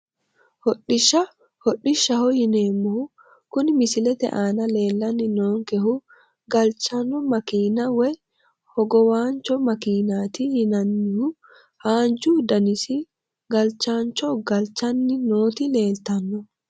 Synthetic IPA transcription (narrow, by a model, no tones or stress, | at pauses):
hɔɗːɪʃːɐ | hɔɗːɪʃːɐhɔhɪneːmːɔ | kʊnmɪsɪlɛt̪ɛ̰ʔaːnɐle̞ːlːɐnːɪnoːŋkɛhʊ | ɡɐlt͡ʃɐnːɔmɐkiːnɐwɛj | hɔɡɔwaːnt͡ʃɔmɐkiːnaːt̪ɪhɪnɐnːɪhʊ | haːnd͡ʒud̪ɐnɪsɪ | ɡɐlt͡ʃaːnt͡ʃɔɡɐlt͡ʃɐnːɪnoːt̪ɪle̞ːlt̪ɐnːɔ